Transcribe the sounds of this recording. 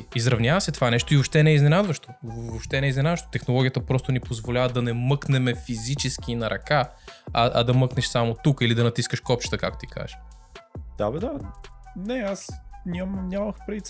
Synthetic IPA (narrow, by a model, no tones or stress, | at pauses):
izɾɐvnʲavəsɛt̪ovanɛʃt̪oivopʃt̪ɛnɛiznɛnad̪vəʃt̪ovoʃt̪ɛnɛiznɛnad̪vəʃt̪o̥t̪ɛxnolˠɔɡʲiət̪əpɾɔst̪ʊnipozvolʲavəd̪ɐnɛmɤknɛmɛfizit͡ʃɛsk̟inɐɾʔɐkaɐʔɐ̰d̪ɐmɤknɛʃsamot̪ukilid̪ɐnɐt̪iskəʃkɔpt͡ʃt̪əkakt̪ʊt̪ikʰa̰ʒə̥ | d̪̥abɛd̪anɛasnʲamnʲaməxpɾit̪